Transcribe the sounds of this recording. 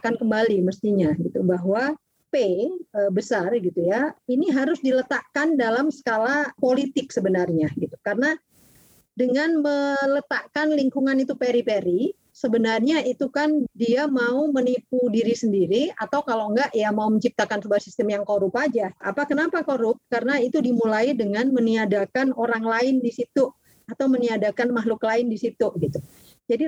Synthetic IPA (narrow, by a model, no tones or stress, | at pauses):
kankəmbaliməst̪iɲaɡit̪ubaɦwa | peəbəsarɡit̪ujainiɦaɾʊsdilət̪aʔkandalamsə̥kalapolit̪ɪksəbənarɲaɡit̪u̥karna | dəŋanmələt̪aʔkanliŋkuŋanit̪upeɾipeɾi | səbənarɲait̪ukandiamaumənip̚udiɾisəndiɾiat̪awkaloŋɡaʔjamauməɲt͡ʃip̚t̪akansəbaasist̪əmjaŋkoɾupad͡ʒaa̰pakənapakoɾʊp̚karənait̪udimulaidəŋanməniadakanoɾaŋlaɪndisit̪u | at̪awməniadakanmaɦlʊklaɪndisit̪uɡit̪u | d͡ʒadi